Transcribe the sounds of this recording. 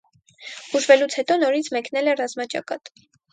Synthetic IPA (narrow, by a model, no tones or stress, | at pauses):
b̥uʒvɛlut͡sʰhɛt̪ɔnɔɾit͡sʰmɛknɛlɛrɑzmɑt͡ʃɑ̰kɑt̪